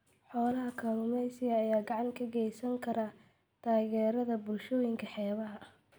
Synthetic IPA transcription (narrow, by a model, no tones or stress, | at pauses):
ħɔːlɐɦɐkʰɐlʊmɛjsɪjɐːjaːɡɑʕɑŋkʰɐɡɛjsɐŋkʰɐɾɐ | t̪ʰaːɣɛːɾɐðɐbʊlʃɔːjɪŋkʰɐħɛːβɐɦɐ